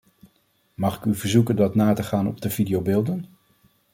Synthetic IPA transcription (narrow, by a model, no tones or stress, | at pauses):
mɑχɪkyvəɹzukəndɑtnaːtəχaːnɔ̰b̚dəvidijowbɪːlˠdən